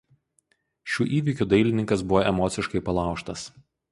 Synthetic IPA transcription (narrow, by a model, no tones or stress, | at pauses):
ʃʲuːʔiːʋʲikʲuːd̪ɐɪlʲɪnʲɪŋkɐs̬bʊʋoʔɛmɔːt̪sʲɪʃkɐɪpɐlˠɑˑʊʃt̪ɐs